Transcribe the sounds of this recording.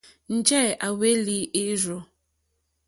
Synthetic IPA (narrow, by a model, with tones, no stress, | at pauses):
n̩˨d͡ʒɛ˦˨ʔa˨we˦li˦ʔe˦ɾo˨